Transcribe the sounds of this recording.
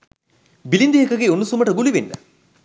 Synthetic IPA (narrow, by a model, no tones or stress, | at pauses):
bilind̪iɦekɐɡeunːusumɐʈəɡuliʋenːɐ